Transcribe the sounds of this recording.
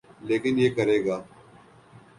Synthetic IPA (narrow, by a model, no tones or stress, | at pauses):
leːkɪnjeːkɐɾeːɡaː